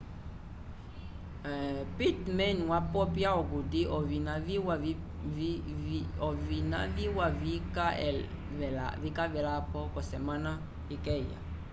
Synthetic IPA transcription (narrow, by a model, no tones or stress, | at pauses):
pitmɛ̃nwapɔpjaɔɡodiʔɔvinaviwa | ɔvina̰viwavikaɛ | ɛavikavɛlapɔkɔsɛmãna | ekɛja̰